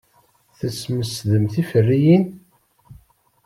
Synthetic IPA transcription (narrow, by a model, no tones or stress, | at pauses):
θəsməsðəmθifərːijin